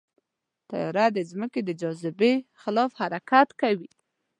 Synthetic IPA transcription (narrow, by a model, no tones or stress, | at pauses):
t̪a̰jɑɾad̪əzməked̪əd͡ʒɑzɪbexɪlɑfhaɾakat̪kawi